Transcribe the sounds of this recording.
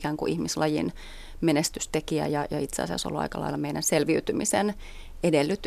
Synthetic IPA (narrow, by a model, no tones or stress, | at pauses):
kæːŋkṵʔihmislɑjḭn | menest̪yst̪ekiæ̰jɑjɑit̪seɑ̰siɑ̰so̰lːuɑ̰ikɑlɑ̰ilːɑmeinænselʋiyt̪ymisen | edelːyt̪ː